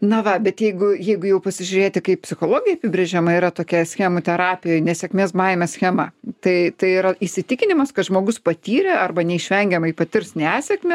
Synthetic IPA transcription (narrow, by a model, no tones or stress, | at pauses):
nɐʋɐbʲɛt̪jɛɪɡʊjɛɪɡʊjɛʊpɐsʲɪʒʲʊɾʲeːt̪ʲɪkɐɪppʲsʲɪxoːlˠoːɡʲɪjɛɐpʲɪbʲɾʲeʒʲɛmɐiːɾɐt̪oːkʲɛsʲxʲɛmoːt̪ʲɛɾɑːpʲɪjoːjnʲɛsʲɛkmʲeːsmɐɪmʲɛsʲxʲɛmɐt̪ɐɪt̪ɐɪiɾɐɪsʲɪt̪ʲɪkʲɪnʲɪmɐskɐt̪ʒmoːɡʊspɐt̪ʲiːɾʲɛɐrbɐnʲɛɪʃʲʋʲɛŋʲɡʲɛmɐipɐt̪ʲɪrsnʲæːsʲɛkmʲɛ